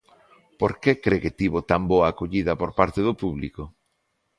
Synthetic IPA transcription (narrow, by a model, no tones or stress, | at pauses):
poɾkekɾeket̪iβot̪amboaːkoʎiðɐpoɾpaɾt̪eðopuβliko